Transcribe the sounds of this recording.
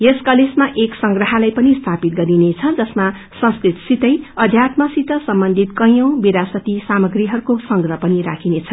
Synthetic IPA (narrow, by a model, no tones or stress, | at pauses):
jeskʌlesmaʔeksʌŋɡrʌɦalajpʌnist̪ʰapit̪̚ɡʌɾinet͡sʰʌd͡zʌsma | sʌ̃nskrit̪sit̪ʌjʌd̪ʱjat̪mʌsit̪ʌsʌmbʌnd̪ʱit̪kʌjõw̃biɾasʌt̪isamʌɡriɦʌɾukosʌŋɡrʌpʌnira̰kʰinet͡sʰʌ